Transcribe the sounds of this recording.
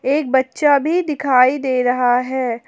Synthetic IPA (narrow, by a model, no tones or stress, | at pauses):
eːk̚bɐtːʃabʱid̪ɪkʰaːid̪eːɾɐɦaɦɛː